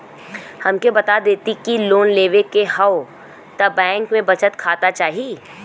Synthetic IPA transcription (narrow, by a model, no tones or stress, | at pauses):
hɐmkebɐt̪ad̪eːt̪ikiloːnleːʋekehɐo | t̪ɐbɛ̃ːŋkmẽbɐt͡ʃət̪kʰaːt̪at͡ʃaːɦieː